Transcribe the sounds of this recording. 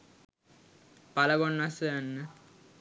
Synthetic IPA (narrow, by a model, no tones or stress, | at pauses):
paləɡonːasjanːə